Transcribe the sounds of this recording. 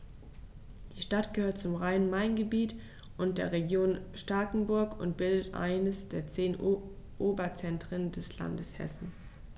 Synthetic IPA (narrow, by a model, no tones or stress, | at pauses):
d̥iːʃtatɡ̥əhøːɐt̚t͡sʊmʁaɪnənmaɪnɡəbiːt | ʔʊnt̚d̥eːɐʁeɡjoːnʃtaːkŋ̩bʊɐkʊ̰ntb̥ɪldətʔa̰ɪnəsd̥eːɐt͡seːnʔ | ʔoːbɐt͡sɛntʁ̥əndɛsla̰ndəshɛ̰sn̩